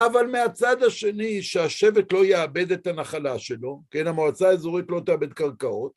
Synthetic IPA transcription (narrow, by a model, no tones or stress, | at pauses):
avalmeat͡sad̪haʃe̞niʃeaʃe̞vetlo̞jeabe̞d̪et̪hanaχalaʃe̞lo̞kenamoat͡saezoʁit̪lo̞t̪eabe̞d̪kaʁkao̞t